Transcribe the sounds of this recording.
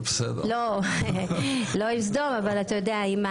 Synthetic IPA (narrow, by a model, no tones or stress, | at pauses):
besḛd̪̰lo | lo̞ims̬d̪o̞mavalat̪ajod̪eaima